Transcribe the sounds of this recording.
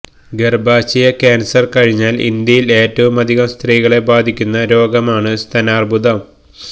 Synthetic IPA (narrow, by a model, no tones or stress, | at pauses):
ɡerbaːɕijɐkaːnsɐrkɐɻiɲːaːlḭnd̪jɐjile̞ːtːɐʋumɐd̪ʱiɣɐmst̪riːɣɐɭe̞baːd̪ʱikʲːunːɐɾo̞ːɡɐmaːɳɨst̪ʰɐnaːrbud̪ɐm